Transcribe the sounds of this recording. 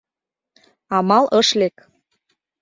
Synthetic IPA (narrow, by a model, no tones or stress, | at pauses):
ɑmɑlʔɤʃlek